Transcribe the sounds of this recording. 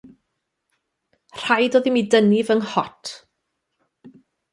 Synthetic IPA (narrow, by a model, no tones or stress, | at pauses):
r̥ajdoːðimidənɪvəŋhɔtʰ